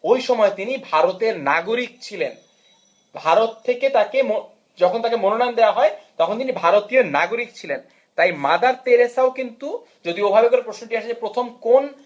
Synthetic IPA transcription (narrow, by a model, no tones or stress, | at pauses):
ojʃɔmɔet̪inibʱaɾot̪eɾnaɡoɾik̚t͡ɕʰilen | bʱaɾot̪ʰːeket̪akemo | d͡ʑɔkʰont̪akemononand̪eaɦɔet̪ɔkʰont̪inibʱaɾot̪ionaɡoɾik̚t͡ɕʰilen | t̪ajmad̪aɾt̪eɾesaokint̪u | d͡ʑod̪iobʱabekoɾepɾosnoʈiaʃʰed͡ʑepɾot̪ʰomkon